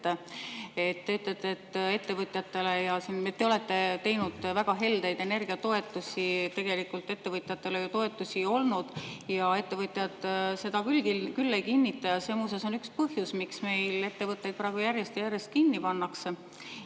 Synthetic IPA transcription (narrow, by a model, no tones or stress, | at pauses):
ee̞t̪ːe̞yt̪ːˑlet̪ːˑeːt̪ːe̞t̪ːe̞vɤt̪ʲˑjɑt̪ːe̞le̞jɑsinet̪ːeole̞t̪ːe̞t̪e̞jnud̪̥væɡ̥ɑɦe̞ld̪e̞jd̪̥e̞ne̞rɡ̥iɑt̪o̞e̞t̪ːˑusʲit̪e̞ɡ̥e̞likːult̪ːe̞t̪ːe̞vɤt̪ˑjɑt̪ːe̞lejut̪o̞e̞t̪ːˑusio̞lnud̪̥jɑe̞t̪ːe̞vɤt̪ʲˑjɑd̪̥se̞d̪̥ɑkylɡilkylːekinʲːit̪ːˑɑjɑse̞museso̞nykspɤhjusmiksme̞jle̞t̪ːe̞vɤt̪ːˑe̞jd̪pɾɑːɡ̥ujæɾjest̪ejæɾje̞st̪̚kinːipɑnːɑkse